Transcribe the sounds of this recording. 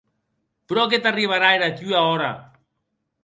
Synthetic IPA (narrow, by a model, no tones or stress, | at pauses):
pɾɔket̪ariβ̞aɾaeɾat̪yaɔɾa̰